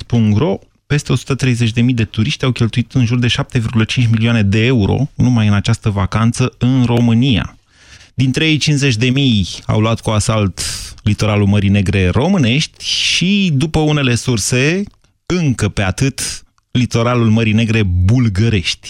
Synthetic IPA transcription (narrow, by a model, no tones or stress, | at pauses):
spuŋɡɾo̞ | pe̞st̪e̞o̞su̥t̪ət̪ɾe̞jze̞t͡ʃʲd̪e̞mijd̪e̞t̪uɾiʃt̪ʲawkʲe̞lt̪uit̪ɨnʒurd̪e̞ʃap̚t̪e̞virɡulət͡ʃint͡ʃmilioane̞d̪e̞e̞uɾo̞̰numajɨnat͡ʃast̪əvakant̪səɨnro̞mɨnia̰ | d̪int̪ɾejejt͡ʃinsze̞t͡ʃʲd̪e̞mija̰wluat̪kuasalt̪lit̪o̞ɾalulməɾine̞ɡɾe̞ro̞mɨne̞ʃt̪ʲʃid̪upəune̞le̞surse̞ | ɨŋkəpe̞at̪ɨt̪ | lit̪o̞ɾalulməɾine̞ɡɾe̞bulɡəɾe̞ʃt̪ʲ